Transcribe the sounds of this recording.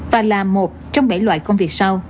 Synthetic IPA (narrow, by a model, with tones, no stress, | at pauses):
vaː˨˩laː˨˩mo˨˩t̚t͡ɕɔ˧wŋ͡mɓa̰˧˩jlwa̰ː˧˨jkə˧ŋ͡mvi˨˩ək̚sa˧w